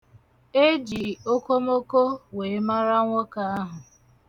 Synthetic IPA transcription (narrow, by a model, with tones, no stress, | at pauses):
e˦d͡ʒi˨o˦ko˦mo˦ko˦we˨˦ma˦ɾa˦ŋʷʊ˦ka˦a˦ɦʊ˨